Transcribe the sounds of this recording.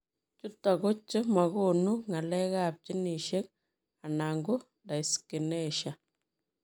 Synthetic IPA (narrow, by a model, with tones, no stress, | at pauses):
t͡ʃu˦ta˨ɡo˦t͡ʃːə˦ma˨ɣo˦˨nu˦ŋa˨lɛ˦ɣa˦˨p̚t͡ʃi˦ni˨ʃe˦k | a˨na˨ŋɡʊ˦ | nda˨i˨ski˨nɛ˦˨ʃa˨